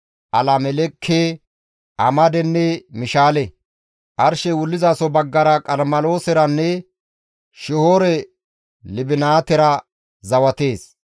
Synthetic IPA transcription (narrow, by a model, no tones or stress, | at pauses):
ʔɐlamɛlɛkʰːeː | ʔɐmɐd̪ɛnːɛmɪʃaːlɛ | ʔɐɾʃɛwʊlːɪzaːsɔbɐɡːɐɾɐkʼɐɾmɐlo̞ːsɛɾɐnːɛ | ʃɪhoːɾɛ | lɪbɪnaːt̪ɛɾɐ | zɐwɐt̪eːs